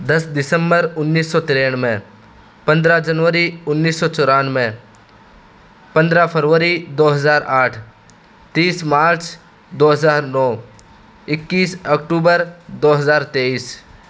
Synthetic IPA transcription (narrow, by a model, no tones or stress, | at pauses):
d̪ɐsd̪ɪsəmbəɾʊnːiːsːɔːt̪ɪɾeːɳ̃mẽ | pɐ̃nd̪ɾad͡ʒənʋəɾiʊnːiːsːɔːt͡ʃɔːɾaːnmẽ | pɐ̃nd̪ɾapʰəɾʋəɾid̪oːɦɐzaːɾaːʈʰ | t̪iːsmaːɾt͡ʃ | d̪oːɦɐzaːɾnɔː | ɪkːiːsɐkʈuːbəɾd̪oːɦɐzaːɾt̪eːiːs